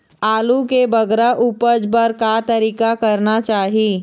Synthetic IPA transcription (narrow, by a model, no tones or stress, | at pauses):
aːlukebɐɡɾaʔuːpəd͡ʒbəɾkat̪əɾiːkakɐɾnat͡ʃaːɦiː